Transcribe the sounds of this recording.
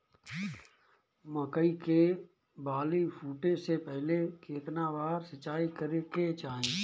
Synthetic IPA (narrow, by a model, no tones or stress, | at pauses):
məkəike | baːlipʰuːʈẽsepɛɦlekʰeːt̪nabaːɾsət͡ʃːaːikəɾeket͡ʃaːɦẽː